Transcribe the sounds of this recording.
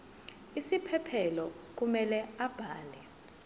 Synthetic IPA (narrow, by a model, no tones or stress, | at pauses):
isipʰɛpʰɛlɔ | k̬umɛlɛab̥ʱaːlɛ